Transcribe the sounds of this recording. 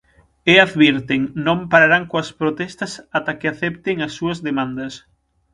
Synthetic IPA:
eaðβiɾt̪eŋnõmpaɾaɾaŋkoɐspɾot̪ɛst̪ɐsat̪akeaθɛp̚t̪eŋɐsːuɐzðemãnd̪ɐs

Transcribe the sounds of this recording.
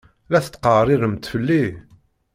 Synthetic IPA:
læθət̪ːqɑrˤiɾəmt̪fəlːi

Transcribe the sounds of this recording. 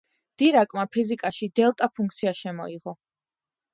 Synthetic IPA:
d̪̥iɾakʼmapʰizikʼaʃid̪ɛlˠt̪ʼapʰuŋkʰʼt̪sʰiaʃɛmɔ̰iʁɔ

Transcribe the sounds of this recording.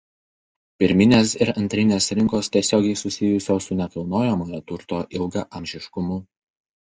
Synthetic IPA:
pʲɪɾʲmʲɪnʲeːsɪɾɐnʲt̪ʲɾʲɪnʲeːsɾʲɪŋkoːst̪ʲiɛsʲoːɡʲɛɪsʊsʲɪjʊsʲoːsʊnʲɛkɐlˠnoːjɛmoːjɛt̪ʊɾt̪oːʔɪlˠɡɐʔɐmʲʒʲɪʃkʊmʊ

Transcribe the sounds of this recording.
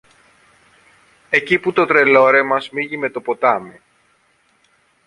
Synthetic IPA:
e̞ciput̪o̞t̪ɾe̞lo̞ɾe̞mɐzmiʝime̞t̪o̞po̞t̪ɐmi

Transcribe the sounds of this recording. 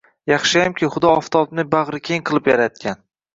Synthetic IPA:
jɑχʃajamkʲɪχʊd̪ɒɒft̪ʰɒbnɪbaʁɾɪkʲʰeŋqʰɨlˠɪpjaɾat̪̚kʲʰan

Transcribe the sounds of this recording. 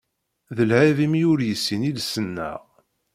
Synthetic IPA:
ðəlʕivimiʊɾjəsːinilsənːæ̰ʁ

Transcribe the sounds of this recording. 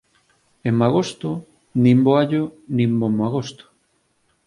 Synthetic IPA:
emaɣ̞ost̪o | nĩmboaʎonĩmbomaɣ̞ost̪o̥

